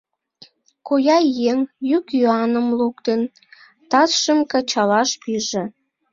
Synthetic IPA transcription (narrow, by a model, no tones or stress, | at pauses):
kojɑjeŋjykjoɑnəmlukt̪en | t̪ɑsʃəmkɑt͡ɕɑlɑʃpiʒĕ